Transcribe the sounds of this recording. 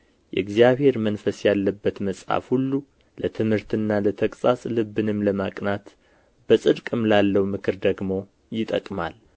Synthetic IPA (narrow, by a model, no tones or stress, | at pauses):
jɛ̰ɨɡzijaβhe̞ɾmənfəsjalːəbːət̪məsʼha̰fhulːu | lət̪ʰɨmhɨɾt̪ɨnːalət̪ʰəkʼsʼasʼlɨbɨnɨmləmakʼnat̪ | b̥əsʼɨd̪kʼɨmlalːəwmɨkʰɨɾd̪əɡmo̞ | jɪt̪ʼə̰kʼma̰l